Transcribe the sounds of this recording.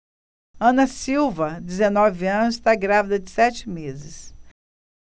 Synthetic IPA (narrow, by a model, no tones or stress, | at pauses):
ɐ̃nɐsiwvɐd̪ezenɔvɪɐ̃nʊzɪst̪aɡɾavid̪ɐd͡ʒɪsɛt͡ʃɪ̥mezɪs